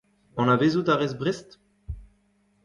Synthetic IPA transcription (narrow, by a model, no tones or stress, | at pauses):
ɑ̃navezut̪aʁɛzbʁɛst̪